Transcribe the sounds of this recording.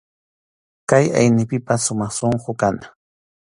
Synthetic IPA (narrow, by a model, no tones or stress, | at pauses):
kaja̰jnɪpɪpasʊmɑχsoɴqokan